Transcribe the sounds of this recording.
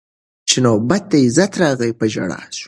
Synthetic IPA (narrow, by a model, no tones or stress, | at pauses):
t͡ʃɪnobat̪̚ːaɪzat̪ɾɑɣəjpəʒa̰ɽɑ̰s